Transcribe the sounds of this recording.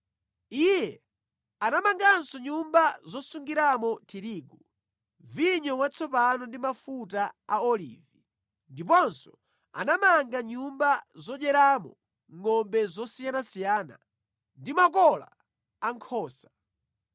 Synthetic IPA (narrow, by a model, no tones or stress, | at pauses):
ijɛ | anamaŋɡansɔɲumbazɔsuŋɡiɾamɔtʰiɾiːɡu | viɲɔwat͡sʰɔpanɔndimafutaaɔlḭːvi | ndip̬ɔnsɔ̥ | a̰namaŋɡaɲumbazɔɗɛɾaːmɔ | ŋɔmbɛzɔsijanasijaːna̰ | ndimakɔla̰ː | ŋkʰɔːsḁ